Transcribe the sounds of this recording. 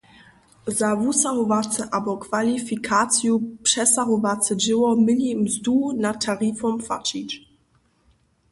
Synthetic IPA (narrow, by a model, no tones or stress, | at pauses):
zavusaɦɔvat͡sɛʔabɔkvalifikʰat͡sjupʂɛsaɦɔvat͡sɛd͡ʒɪwɔmɪɲimzduːnatʰːaʁiːfɔmpfa̰t͡ʃit͡ʃ